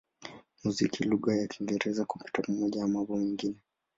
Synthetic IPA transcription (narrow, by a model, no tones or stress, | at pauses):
muzikʰiluɣajakʰiŋɡɛɾɛzaku̥pi̥tam̩mɔʄaamabɔmɛŋɡinɛ